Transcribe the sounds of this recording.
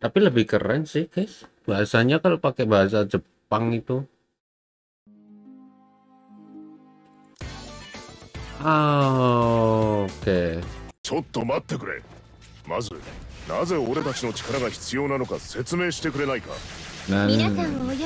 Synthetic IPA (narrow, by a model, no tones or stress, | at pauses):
t̪apiləbɪhkə̰ɾɛnsɪhka | baɦasaɲakalopakebaɦas̬ad͡ʒəpaŋit̪u | a | ket͡ɕot̪ːo̞mat̪ːe̞kɯ̟ɾe̞̰ | mazɨ̰naze̞oɾe̞t̪at͡ɕino̞t͡ɕi̥kaɾaɡaçi̥t͡sɨjo̞ːnano̞kase̞t͡sɨme̞ːɕi̥t̪e̞kɯɾe̞naika̰nan